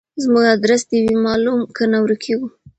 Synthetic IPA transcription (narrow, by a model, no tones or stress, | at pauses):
zmuɡad̪ɾast̪ewimɑlumkənawɾukʰeɡu